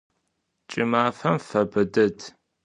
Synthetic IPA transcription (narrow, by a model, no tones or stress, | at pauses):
t͡ʃʼɪmaːfɐmfɐbɨdɨtʰ